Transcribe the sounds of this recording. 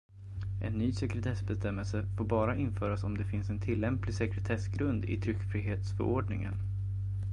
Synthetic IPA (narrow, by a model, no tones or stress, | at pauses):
ʔɛ̰nːyːsɛkɾɛt̪ʰɛsbɛst̪ɛmːɛlsəfoːɾbɑːɾaʔɪnfœːɾasɔmd̪ɛfɪnsɛnt̪ʰɪlːɛmplɪsɛkɾɛt̪ʰɛsɡɾɵnd̪ɪ̰t̪ʰɾʏkːfɾiːɦeːt̪sfœ̰ɾʔo̰ːɖɳɪ̰ŋə̰n